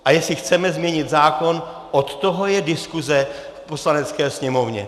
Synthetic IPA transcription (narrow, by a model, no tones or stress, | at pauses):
ʔajɛsɪxt͡sɛmɛzmɲɛɲɪt̪zaːko̞n | ʔot̪t̪o̞ɦo̞jɛdɪskuzɛ | fpo̞slanɛt͡skɛːsɲɛmo̞vɲɛ̰